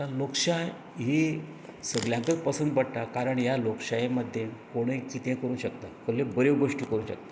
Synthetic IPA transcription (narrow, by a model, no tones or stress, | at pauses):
t̪alokʂaj | ɦi | səɡljãk̪ək̚pəsənd̪bəɽt̪akaɾəɳjalokɕajeməd̪ʱːjenkoɽ̃ekit̪ẽkəɾuːnɕəkt̪akəlːebəɾeʋɡoʂʈiːkəɾuːnɕək̚t̪ḁ